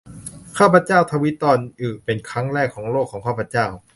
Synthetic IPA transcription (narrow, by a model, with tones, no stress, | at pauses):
kʰaː˥˩pʰa˧˥t͡ɕaː˥˩wt̪ʰa˧wi˦˥t̪ɔː˧nʔɯː˨˩pe˧nkʰɾa˦˥ŋɾɛː˥˩kʰːɔː˩˦ŋloː˥˩kʰːɔː˩˦ŋkʰaː˥˩pʰɾa˧˥t͡ɕaː˥˩w